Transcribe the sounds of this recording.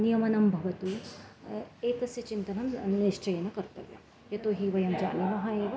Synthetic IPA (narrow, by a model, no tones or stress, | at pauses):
nijɐmɐnɐmbʱɐʋɐt̪u | eːt̪ɐsjɐt͡ʃint̪ɐnɐmniʃt͡ʃɐjɐnɐkɐɾt̪ɐʋjɐ̰ | jɐt̪oːɦiʋɐjɐmd͡ʒa̰ːnimɐɦaeːʋɐ